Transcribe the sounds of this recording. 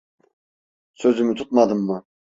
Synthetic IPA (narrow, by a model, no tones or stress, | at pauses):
søzymyt̪ʰut̪̚mɑd̪ɯmːʊ